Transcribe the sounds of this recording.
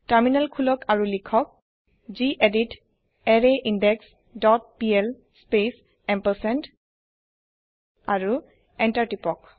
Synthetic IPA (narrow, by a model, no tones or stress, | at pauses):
taɹminalkʰulɔkʰaɹulikʰɔk̚ | ziʔedit | ɛɹeʔindɛks | dɔt̚piɛl | spes | ɛmpəsɛnt | aɹu | ɛntaɹtipɔk̚